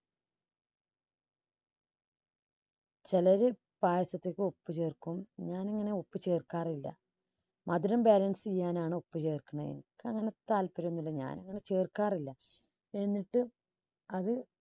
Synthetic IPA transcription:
t͡ɕelɐɾe | baːjɐsɐt̪ːeːkʲːɨo̞pːɨt͡ɕe̞ːrkumɲaːnɐŋːɐne̞o̞pːɨt͡ɕe̞ːrkaːrilːɐ̰ | mʔɐd̪uɾɐmbaːlɐnsɨt͡ɕijːaːnaːɳɨo̞pːɨt͡ɕe̞ːrkːuɳːɐḛnḭkːɨɐŋːɐne̞t̪aːlpɐɾunːulːɐɲa̰ːnɐŋːɐne̞t͡ɕe̞ːrkaːrilːɐ | enːiʈːɨ | ɐðɨ

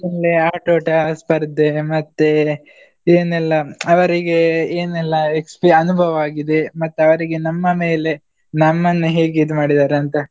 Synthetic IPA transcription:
nɐleaːʈoːʈɐspɐɾd̪ːemɐt̪ːe | eːnɛlːɐɐʋɐɾiɡe̞eːnɛlːɐekspiɐnubʱɐʋɐaːɡid̪emɐt̪ːuɐʋɐɾiɡe̞nɐmːɐme̞ːle̞ | nɐmːɐnːuɦeːɡid̪umaːɽid̪aːɾeɐnt̪ɐ

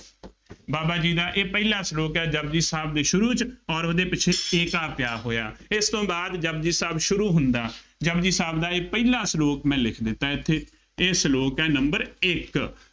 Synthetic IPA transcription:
baːbaːd͡ʒiːd̪aːʔeːpɛilãːsloːkɛːd͡ʒəbd͡ʒiːsaːbd̪eːʃʊɾuːt͡ʃɔːɾoːd̪eːpɪt͡ʃʰeːɪkaːpjaːɦoːjaːɪst̪õːbaːd̪d͡ʒəb̚d͡ʒiːsaːbʃʊɾuːɦʊnd̪aː | d͡ʒəbd͡ʒiːsaːbd̪aːeːpɛiːlaːsloːkmɛ̃ːlɪkʰd̪ɪt̪ːãːɪt̪ʰːeː | ɪsloːkɛːnəmbəɾɪk

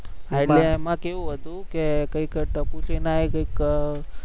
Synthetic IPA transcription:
aɪɖleemãkeʋũɦət̪ũkekəikʈəput͡ʃenajkəik

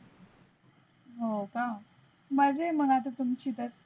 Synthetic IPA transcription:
ɦoka | mad͡zeməɡat̪̬ət̪umt͡ɕiːt̪əɾ

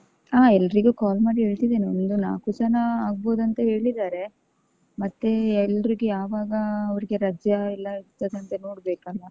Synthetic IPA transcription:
aːɛlːɐɾiɡukaːlmaːɽiɦeːɭt̪id̪eːniond̪una̰ːkut͡ʃɐnɐaːɡbo̞ːd̪ɐnt̪eɦe̞ːɭid̪aːɾe̞ | mɐt̪ːe̞ɛlːɐɾiɡejaːʋaːɡɐːʋɐɾiɡe̞ɾaːd͡ʒjɐilːɐiɾt̪ːɐd̪ɐnt̪enoːɽbeːkɐlʋɐ

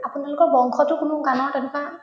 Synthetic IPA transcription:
apʊnalʊkɔɹbɔŋkʰɔtʊkʊnʊɡanɔtanika

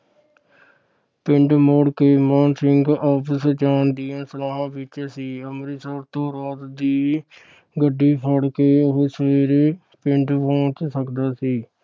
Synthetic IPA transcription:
pɪɳɖmoːɽkeːmɔːnsɪŋɡɔːpʰəsd͡ʒaːnd̪ijãːsəlaːɦãːbɪt͡ʃsiːəmɾiːsəɾt̪õːɾaːt̪d̪iː | ɡəɖːiːpʰəɽkeːʊɦsʋeːɾ | pɪɳɖpõːt͡ʃsəkd̪aːsiː

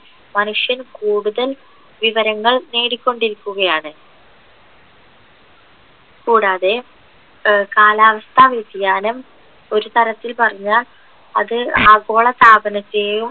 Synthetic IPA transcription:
mɐnuʂjɐnkuːɽuðɐl | ʋiʋɐɾɐŋːɐɭne̞ːɽikʲːo̞ɳɖiɾikʲːuɣɐjaːɳɨ | kuːɽaːðe̞ | kaːlaːʋɐst̪ʰaːʋetijaːnɐm | o̞ɾut̪ɐɾɐt̪ːilpɐrɐɲːaːl | ɐðɨaːɡo̞ːɭɐst̪ʰaːbɐnɐt̪ːejum

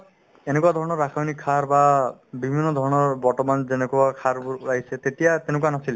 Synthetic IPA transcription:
enekuad̪ʱɔɹɔnɔɹːakʰajnikʰːaɹbabibʱinːɔd̪ʱɔɹɔnɔɹbɔɹtɔmanzenekuakʰaɹbuɹaɦisɛt̪etijat̪enʊkuanasil

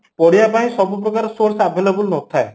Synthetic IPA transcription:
pɔɽijapaĩsɔbup̬ɾɔkaɾɔsoɾsabʱelebulnɔt̪ʰae

